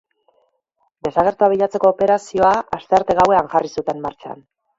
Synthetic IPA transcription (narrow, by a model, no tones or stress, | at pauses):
d̪e̞saɣ̞e̞ɾt̪uaβ̞iʎat͡se̞ko̞ːpe̞ɾasio̞aast̪e̞aɾt̪e̞ɣawe̞aŋʝarisut̪e̞mːaɾt͡ʃa̰n